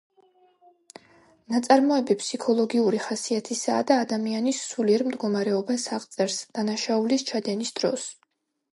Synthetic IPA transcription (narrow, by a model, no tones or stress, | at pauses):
nat̪sʼaɾmɔɛbipʰsikʰɔlˠɔɡiuɾiχasiat̪ʰisaːd̪aːd̪amianisːuliɛɾmd̪ɡɔmaɾɛɔbasaʁʼt̪sʼɛɾsd̪̥anaʃaulist͡ʃʰad̪ɛnisd̪̥ɾɔ̰s